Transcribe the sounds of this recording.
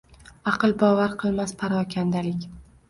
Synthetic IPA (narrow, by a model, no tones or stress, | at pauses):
ɑqɨlˠbɒvaɾqʰɨlˠmaspʰaɾɒkʲʰand̪alɪkʲ